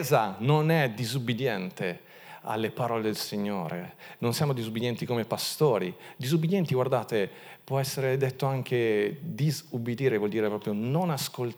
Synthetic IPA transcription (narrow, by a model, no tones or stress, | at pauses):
zanonɛd̪izubːid̪jɛnt̪e | a̰lːepaɾɔːled̪elsiɲːo̰ːɾḛnonsjamod̪izubːid̪jɛnt̪ikomepast̪oːɾid̪izubːid̪jɛnt̪iɡward̪aːt̪e | pwɔɛsːeɾed̪et̪ːoaŋkʰed̪izubid̪iːɾevwɔld̪iːɾepɾɔːpɾjononaskol